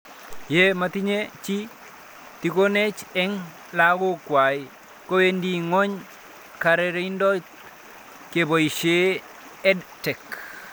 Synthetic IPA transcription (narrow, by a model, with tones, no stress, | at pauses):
je˦ma˨ti˦ɲet͡ʃi˦ | ti˨ko˦ne˦t͡ʃɛ˦ŋ | la˦ɡo˦kwa˨i | ko˦we˦ndi˦ŋo˦ɲ | ka˨ɾɛ˦ɾe˦ndɔ˦t | ke˨bo˨iʃe˦ | ɛ˦dtɛ˨k